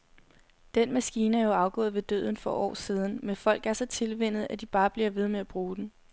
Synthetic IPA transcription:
d̥enmæsɡ̥iːnəæɐjo̝ɑ̈ʊɡ̥ɔ̰̽ːð̩ˠʋe̝d̥ø̰ːð̞̰ˠn̩fɒ̽ʔɒ̰ːsiːð̞ˠn̩menfɒ̽l̰ɡ̥æɐsɒ̽t͡sʰe̝lʋen̰ð̩ˠæd̥ib̥ɑ̈ːb̥liɐʋe̝ð̞ˠmeæb̥ʁuːd̥n̩

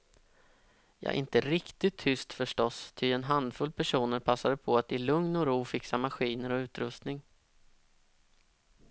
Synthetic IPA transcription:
jɑ̰ːɡʔɪ̰nt̪əɾɪkt̪ɪt̪ʰːʏst̪fœʂʈɔst̪ʰɪɛnɦand̪fɵlːpʰæʂuːnəɾpʰasːad̪əpʰɔat̪̚d̪ɪlɵŋnɔɾuːfɪksamaɧiːnəɾɔʉ̟ːt̪ɾɵst̪nɪŋ

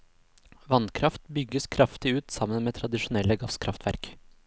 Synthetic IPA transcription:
ʋɑnkʰɾɑft̪bʏɡəskʰɾɑft̪ɪʉːt̪sɑmənmeːt̪ʰɾɑd̪ɪʂʊnɛlːəɡɑskʰɾɑft̪ʋæ̰ɾk

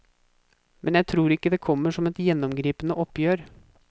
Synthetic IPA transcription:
mʔɛnjæɪt̪ʰɾuːɾɪkːəd̪ɛːkʰɔmːəʂɔmɛt̪jɛnːɔmɡɾiːpənəʔɔpːjøːɾ

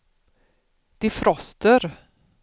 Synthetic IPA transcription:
d̪̥ɪfɾɔst̪əɾ

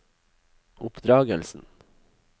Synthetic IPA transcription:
ʔʊpd̪ɾɑːɡəlsn̩

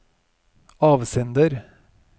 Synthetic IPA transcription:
ɑːʋsɛnd̪əɾ

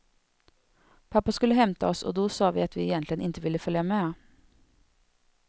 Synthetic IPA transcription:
pʰɑpːaskʉlːəɦɛmt̪ə̰ɔso̰ːd̪oːsɑːʋḭːɑt̪ʰʋiːɛjɛnt̪lɪənɪnt̪əʋɪlːəfœljɑme

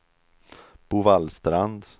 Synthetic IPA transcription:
b̥ʊvalst̪ɾand̪

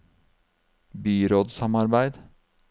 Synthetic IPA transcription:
byːɾoːd̪sɑmɑɾbæɪd̪

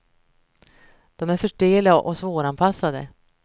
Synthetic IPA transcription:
d̪̥ɔmæɾfœʂɖeːlaʔɔsvoːɾanpʰasːad̪ə̰

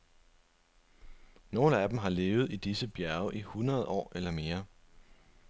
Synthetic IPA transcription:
no̝ːləæd̥m̩ɦɑ̈le̝ːʊð̞̩ˠid̥isəb̥jæɐʊʔihunʁɐð̞̩ˠɒ̰ːelɐme̝ːɐ

